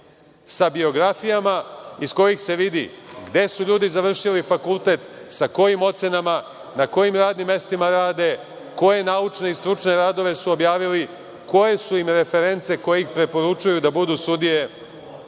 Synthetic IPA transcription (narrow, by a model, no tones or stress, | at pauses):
sabio̞ɡɾafijamaisko̞jixse̞ʋid̪ḭɡd̪e̞suʎuːd̪izaʋr̩ʃilifakulˠt̪e̞t̪ | sako̞jimo̞t̪se̞nama | nako̞jimɾaːd̪nimːe̞st̪imaɾaːd̪e̞ | ko̞je̞naut͡ʃneist̪ɾut͡ʃne̞ɾaːd̪o̞ʋe̞suo̞bjaːʋili | ko̞je̞suimɾe̞fe̞ɾe̞nt̪se̞ko̞jeixpɾe̞po̞ɾut͡ʃujud̪abud̪usud̪ije̞